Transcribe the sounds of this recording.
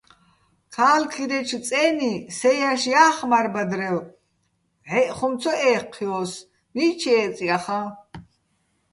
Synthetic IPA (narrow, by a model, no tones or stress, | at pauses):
kʰaːlkʰiɾɛt͡ʃʰt͡sʼɛːnisɛjaʃjaːχmaɾbad̪ɾɛw | ʕɛʔχɔmt͡sʰɔʔɛːqʰːiɔs | mit͡ʃʰɛːt͡sʼiaχa